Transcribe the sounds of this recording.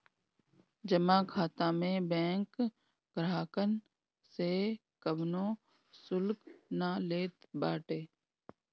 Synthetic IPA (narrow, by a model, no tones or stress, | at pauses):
d͡ʒəmaːkʰaːt̪ãːmẽːbɛ̃ːŋk | ɡɾaːkən | se | kəbnõː | sʊlknaːleːt̪baːʈeː